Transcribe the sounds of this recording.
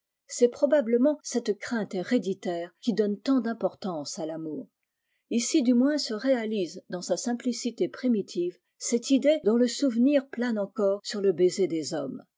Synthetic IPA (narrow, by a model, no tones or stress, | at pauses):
sɛpχɔbabləmɑ̃sɛt̪kχɛ̃t̪eʁed̪it̪ɛːʁkʲid̪ɔnt̪ɑ̃d̪ɛ̃pɔʁt̪ɑ̃salamuːʁ | isid̪ymwɛ̃səʁealizd̪ɑ̃sasɛ̃plisit̪epχimit̪ʰiv | sɛt̪id̪ed̪ɔ̃ləsuvniʁplanɑ̃kɔʁsyʁləbezed̪ezɔm